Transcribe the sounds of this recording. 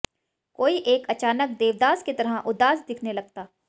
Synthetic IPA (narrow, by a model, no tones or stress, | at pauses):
koːiʔeːkɐt͡ʃaːnək̚d̪eːʋd̪aːsket̪ɐɾaʔʊd̪aːsd̪ɪkʰnelɐɡ̚t̪aː